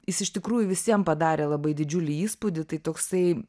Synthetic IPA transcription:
jɪsɪʃt̪ʲɪkɾuːjʊʋʲɪsʲiɛmpɐd̪ɑːɾʲeːlˠɐbɐɪd̪ʲɪd͡ʒʲʊlʲɪiːspud̪ʲɪt̪ɐɪt̪oːksɐɪ

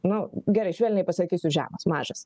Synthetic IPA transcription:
nʊɡʲɛɾɐɪʃʲʋʲɛːlʲnʲɛɪpɐsɐkʲiːsʲʊʒʲæ̰ːmɐsmɑːʒɐs

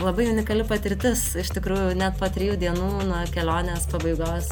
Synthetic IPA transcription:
lˠɐbɐɪʊnʲɪkɐlʲɪpɐt̪ʲɪɾʲt̪ʲɪsɪʃt̪ʲɪkɾuːjʊnʲɛt̪̚poːt̪ʲɾʲɪjuːd̪ʲiɛnuːnuɔkʲɛlʲoːnʲeːspɐbɐɪɡoːs

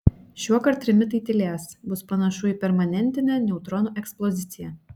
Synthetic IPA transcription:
ʃʲuɔkɐɾt̪̚ʲːɾʲɪmʲɪt̪ɐɪt̪ʲɪlʲæːsbʊspɐnɐʃʊɪpʲɛɾmɐnʲɛnʲt̪ʲɪnʲɛːnʲɛʊt̪ɾɔnuːʔɛksplˠɔzʲɪt̪sʲɪjɛ

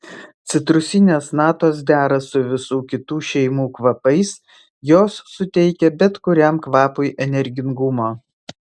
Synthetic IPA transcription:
t̪sʲɪt̪ɾʊsʲɪnʲeːsnɑːt̪oːs̬d̪ʲæːɾɐsʊʋʲɪsuːkʲɪt̪uːʃʲɛɪmuːkʋɐpɐɪs | joːsːʊt̪ʲɛɪkʲɛbʲɛt̪kʊɾʲɛmkʋɑːpʊɪʔɛnʲɛɾʲɡʲɪŋɡʊmoː

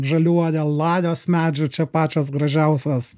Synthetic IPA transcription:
ʒɐlʲuɔjɛlˠɑːjoːsmʲæːd͡ʒʲʊt͡ʃʲɛpɑːt͡ʃʲoːs̬ɡɾɐʒʲɛʊsʲɛs

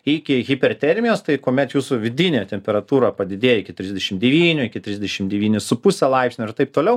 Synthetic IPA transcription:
ɪkʲɪɣʲɪpʲɛrt̪ʲɛɾʲmʲɪjoːst̪ɐɪkoːmʲɛt̪juːsʊʋʲɪd̪ʲɪnʲet̪ʲɛmʲpʲɛɾɐt̪uːɾɐpɐd̪ʲɪd̪ʲeːjɪkʲɪt̪ʲɾʲɪzʲd̪ʲɛʃʲɪmd̪ʲɛʋʲiːnʲʊɪkʲɪt̪ʲɾʲɪzʲd̪ʲɛʃʲɪmd̪ʲɛʋʲiːnʲɪsʊpʊsʲɛlˠɐɪpsʲnʲʊɪrt̪ɐɪp̚t̪oːlʲɛʊ

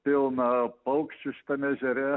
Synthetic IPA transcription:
pʲɪlˠnɐpɐʊkʃʲt͡ʃʲʊʃʲɪ̥t̪ɐmʲɛʒʲɛɾʲɛ

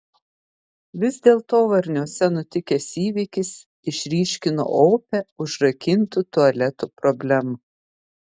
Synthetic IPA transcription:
ʋʲɪzd̪ʲeːlˠt̪oːʋɐɾʲnʲuɔsʲɛnʊt̪ʲɪkʲeːsiːʋʲɪkʲɪs | ɪʃʲɾʲiːʃʲkʲɪno̰ːʔoːpʲɛʊʒɾɐkʲɪnt̪ut̪ʊɐlʲɛt̪upɾɔbʲlʲæmu

